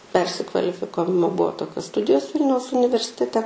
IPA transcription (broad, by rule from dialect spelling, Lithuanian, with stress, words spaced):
ˈpʲɛrʲsʲɪkʋɐlʲɪfʲɪkɐʋʲɪmoː ˈbuɔ ˈtoːkʲoːs ˈstʊdʲɪjoːs ˈʋʲɪlʲnʲɛʊs ʊnʲɪʋʲɛrʲsʲɪtʲɛˈtʲɛ